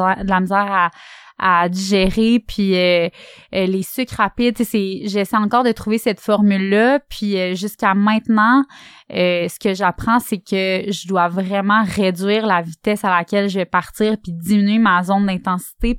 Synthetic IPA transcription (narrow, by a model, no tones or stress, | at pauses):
ɛd̪əlamizjɛːʁaad̪iʒeʁepʰɥiøː | lesykʁapid̪̚t͡sesɛʒɛsɛjɑ̃kɔːʁd̪ət̪χuvesɛt̪fɔʁmylːʌpʰɥiøʒyskʲamɛ̃t̪nɑ̃ | øsə̥kəʒapχɑ̃sɛkʲəʒəd̪wavʁɛmɑ̃ʁed͡zɥiːʁlavit̪ɛsalakʲɛlʒəvɛpaʁt̪iːʁpid̪iminyemazɔ̃nd̪ɛ̃t̪ɑ̃si̥t̪e